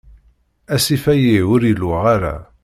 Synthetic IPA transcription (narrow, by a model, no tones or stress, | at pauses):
æsifæjiwʊɾjəlwəʁaɾæ̰